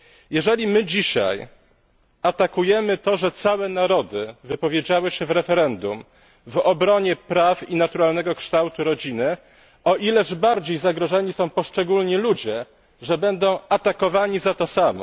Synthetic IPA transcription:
jɛʐɛlʲimɘd͡ʑiɕa̰j | at̪akujɛmɘt̪ɔʐɛt̪sawɛnaɾɔd̪ɘvɘpɔvʲjed͡ʑawɘɕɛvɾɛfɛɾɛnd̪um | vɔbɾɔɲɛpɾafinat̪uɾalnɛɡɔkʂt̪awt̪uɾɔd͡ʑinɘ | ɔʔilɛʐbaɾd͡ʑejzaɡɾɔʐɛɲisɔ̃w̃pɔʂt͡ʂɛɡulɲilud͡ʑɛ | ʐɛbɛnd̪ɔ̃w̃at̪akɔvaɲizat̪ɔsamɔ̰

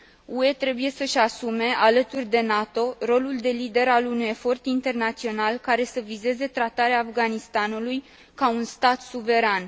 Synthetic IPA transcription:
ue̞t̪ɾe̞buje̞səʃasume̞alət̪urʲd̪e̞nat̪o̞ro̞luld̪e̞lid̪e̞ɾalunuje̞fo̞rt̪int̪e̞rnat̪sio̞nalkaɾe̞səvize̞ze̞t̪ɾat̪aɾeaːfɡanist̪anuluj | kaunst̪at̪suve̞ɾan

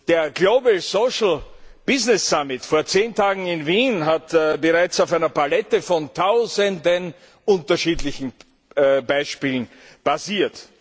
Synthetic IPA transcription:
d̥eːɐɡloːbəsoːʃl̩b̥ɪznɛsːamɪtfoːɐt͡seːntʰaːɡŋ̩ɪnviːnɦatbəʁaɪt͡saʊfæɪnɐpalɛtəfɔntʰaʊzəndən | ʔʊ̃ntɐʃiːtlɪçn̩ | baɪʃpiːlən̩ | b̥aziːɐt

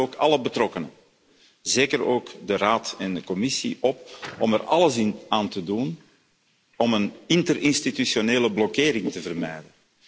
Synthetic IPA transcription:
oːkɑləbətrɔkənə | zeːkəɾoːkdəraːtɛndəkɔmɪsḭʔɔpɔmɛrɑləsɪnaːntədun | ɔmənɪntəɾɪnstitysjoneːləblɔkeːɾɪŋtəvərmɛjdən

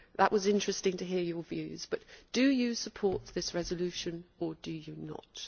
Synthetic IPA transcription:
ðə̰ʔwʔɒzɪ̃nt͡ʃɹ̥ɛstɪ̃ŋtʰɨɦɪəjə˞vjʉ̰ːzb̥ʌʔtd̥əjəsəpʰɔɹʔ̪ðɪsɹɛzəlʉʃə̃nədəjənə̰t

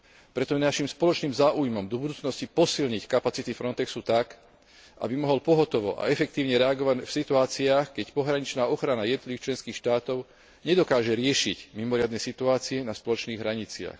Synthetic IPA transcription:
pɾɛt̪ɔɛnaʃimspɔlɔt͡ʃniːmzaːʔujmɔmd̪ɔbud̪uːt͡snɔscipɔsilɲickapat͡sit̪ifɾɔnt̪ɛksut̪ak | ʔa̰bimɔɦɔlpɔɦɔt̪ɔʋɔ̰ʔa̰ɛfɛkt̪iːʊɲɛɾɛaɡɔʋacfsit̪uaːt͡siaːxkɛcpɔɦɾaɲit͡ʃnaːɔxɾanajɛd̪nɔt̪liʋixt͡ʃlɛnskiːxʃt̪aːt̪ɔʊ | ɲɛd̪ɔkaːʒɛɾɪɛʃicmimɔɾɪad̪nɛsit̪uaːt͡siɛnaspɔlɔt͡ʃniːɣɦɾaɲit͡sɪa̰x

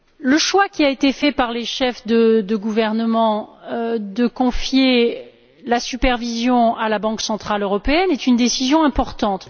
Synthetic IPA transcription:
ləʃwakʲiaet̪efɛpaʁleʃɛfd̪əd̪əɡuvɛʁnəmɑ̃ | d̪əkɔ̃fje | lasypɛʁvizjɔ̃alabɑ̃ksɑ̃t̪χaløʁɔpeɛnɛt̪ynd̪esizjɔ̃ɛ̃pɔʁt̪ɑ̃t̪

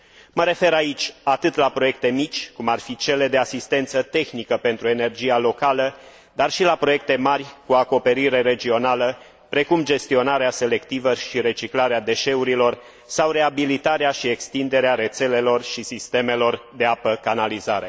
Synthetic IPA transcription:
məɾe̞fe̞ɾait͡ʃʲat̪ɨt̪lapɾo̞je̞k̚t̪e̞mit͡ʃʲkumarfit͡ʃe̞le̞d̪e̞asist̪e̞nt̪sət̪e̞xnikəpe̞nt̪ɾue̞ne̞rd͡ʒijalo̞kalə | d̪arʃilapɾo̞je̞k̚t̪e̞marʲkuako̞pe̞ɾiɾe̞ɾe̞d͡ʒio̞nalə | pɾe̞kumd͡ʒe̞st̪io̞naɾease̞le̞kt̪ivəʃiɾe̞t͡ʃiklaɾead̪e̞ʃe̞uɾilo̞r | sawre̞abilit̪aɾeaʃie̞kst̪ind̪e̞ɾeaɾe̞t̪se̞le̞lo̞rʃisist̪e̞me̞lo̞rd̪e̞apəkanalizaɾe̞

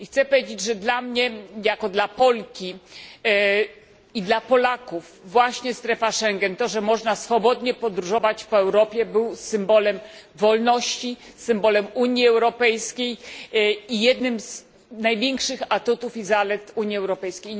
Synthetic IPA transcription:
ixt̪sɛpɔvʲjed͡ʑed͡ʑʐɛd̪lamɲɛjakɔd̪lapɔlkʲi | id̪lapɔlakufːwaɕɲɛst̪ɾɛfaʂɛŋɡɛnt̪ɔʐɛmɔʐnasfɔbɔd̪ɲɛpɔd̪ɾuʐɔvat͡ɕpɔɛwɾɔpʲjɛbɘwsɘmbɔlɛmvɔlnɔɕt͡ɕi | sɘmbɔlɛmuɲiɛwɾɔpɛjskʲej | ijɛd̪nɘmz | najvʲjɛŋkʂɘxat̪ut̪ufizalɛt̪uɲjiɛwɾɔpɛjskʲej

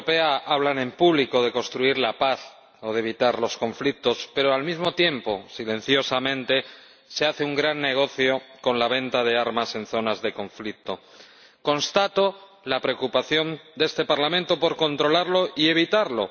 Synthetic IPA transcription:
peaaβlanẽ̞mpuβliko̞ð̞e̞konst̪ɾuiɾlapaθ | o̞ðeβ̞it̪aɾlo̞sko̞ɱflik̚t̪o̞spe̞ɾoalmizmo̞t̪je̞mpo̞silẽ̞n̟θjo̞samẽnt̪e̞ | se̞aθe̞uŋɡɾanːe̞ɣ̞o̞θjo̞ko̞nlaβ̞ẽ̞nt̪aðe̞aɾmase̞nθo̞nazðe̞kõ̞ɱflik̚t̪o̞ | kõ̞nst̪at̪o̞ | lapɾe̞okupaθjo̞nd̪e̞st̪e̞paɾlamẽnt̪o̞po̞ɾko̞nt̪ɾo̞laɾlo̞ie̞β̞it̪aɾlo̞̰

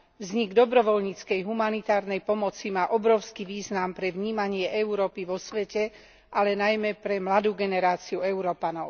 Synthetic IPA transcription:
vzɲiɡd̪ɔbɾɔʋɔlɲiːt͡skɛjɦumanit̪aːɾnɛjpɔmɔt͡simaːʔɔbɾɔʊskiʋiːznampɾɛʋɲiːmaɲɪɛʔɛuɾɔːpiʋɔsʋɛcɛ | ʔalɛnajmɛpɾɛmlad̪uːɡɛnɛɾaːt͡siuɛuɾɔːpanɔʊ

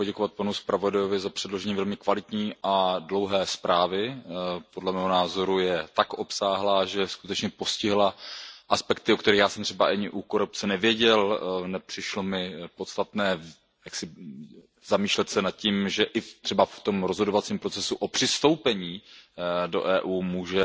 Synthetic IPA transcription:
poɟɛkovat̪̚panuspɾavo̞dajovɪzapr̝̥ɛdlo̞ʒɛɲiːvɛlmɪkvalɪt̪ɲiːʔadlo̞wɦɛːspɾʔaːvɪpodlɛmɛːɦonaːzo̞ɾujɛt̪akʔo̞psaːɦlaːʒɛskut̪ɛt͡ʃɲɛpo̞scɪɦlaʔaspɛk̚t̪ɪokt̪ɛɾixjaːsɛmt̪r̥ɛbaʔaɲɪʔukoɾup̚t͡sɛnɛvjɛɟɛlnɛpr̥ɪʃlo̞mɪpot̪st̪at̪nɛː | jaksɪ | zamiːʃlɛt̪sɛnat̪̚ciːmʒɛʔɪft̪r̥ɛbaft̪o̞mɾozɦodovat͡siːmpɾo̞t͡sɛsuʔopr̥ɪst̪o̞wpɛɲiː | do̞̰ʔɛːʔuːmuːʒɛ

